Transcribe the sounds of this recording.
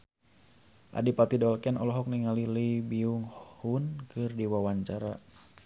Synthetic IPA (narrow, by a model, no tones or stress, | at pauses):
ʔa̰dipat̪idɔlkɛnʔɔlɔɦɔk̚niŋaliliibiuŋhunkɨrdiwawaɲt͡ʃaɾa